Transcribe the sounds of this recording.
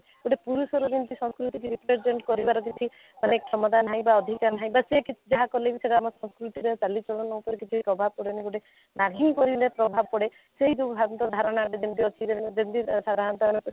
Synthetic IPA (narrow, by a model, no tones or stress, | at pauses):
ɡoʈepuɾusɔɾɔd̪int̪isɔ̃ŋskɾut̪ikiɾipɾeɾd͡ʒeɳʈkɔɾibaɾɔk̬it͡ʃʰi | manekʰɔmɔd̪anɦãj̃baɔd̪ʱikaɾnɦaj̃basekit͡ʃʰd͡ʒaɦakɔlebiseʈaamɔsɔ̃skɾut̪iɾet͡ʃalit͡ʃɔɭɔnɔupɔɾekit͡ʃʰipɾɔbʱab̚kɔɽeniɡoʈe | naɦiːkɔɾilepɾɔbʱabɔkɔɽe | seɦid̪ubʱaɾɔnt̪ɔd̪ʱaɾɔɽ̃aʈed͡ʒint̪iɔt͡ʃʰid͡ʒent̪isad̪aɦant̪ɔane